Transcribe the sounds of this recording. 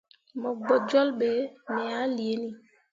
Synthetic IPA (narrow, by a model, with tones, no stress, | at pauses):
mɔ˨ɡ͡bɔ˨d͡ʒɔ˦lɓe˨mɛ˨a˦li˨e˨˦ni˦